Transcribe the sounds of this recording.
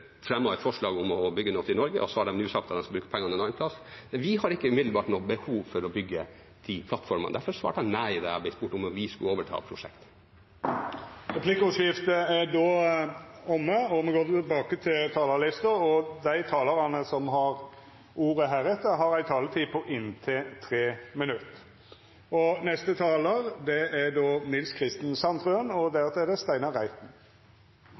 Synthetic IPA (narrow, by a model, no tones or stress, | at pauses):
fɾɛmːɔʋɛt̪fɔʂɭɑːɡʊmɔbʏɡːənɔt̪ʰɪlnɔɾɡə̰ʔɔsɔhɑɖɛmnʉːsɑk̚t̪ɑt̪d̪ɛnskɑbɾʉːkə̥pʰɛŋːɑnəɛnɑɪnpʰlɑsʋɪhɑɾɪkːəʉmɪd̪l̩bɑːʈnɔːbəhuːʋfɔɾɔbʏɡːə | t̪ʰɪpʰlɑt̪fɔɾməɑ̰nd̪æɾfɔɾsʋɑ̰ːʈhɑnnæɪd̪ɛ̰ɑ̰bɪspʊʈːʊmʋɪskʉoːʋəʈʰɑ̰ːpʰɾʊʂɛ̰kt̪ | ɾɛpʰlɪkʊʂɪft̪əæɖoː | ɔmːəɔmɛɡoːt̪bɑːkət̪ʰɪlt̪ʰɑːlɑlɪst̪əɾɔd̪æɪt̪ʰɑːlɑʁɑnəsɔmɦɑɾ | ʔuːɾəɦæːɾɛt̪ːəɦɑɾæɪt̪ʰɑːlət̪ʰiːpʰɔʔɪnt̪ʰɪt̪ʰɾeːmɪnʉt̪ | ɔnɛst̪ət̪ʰɑːləɾd̪ɛæɖoːnɪlskʰʁɪst̪n̩sɑnt̪ʁønɔd̪ɛt̪ɛdɛst̪æɪnɑʁæɪt̪n̩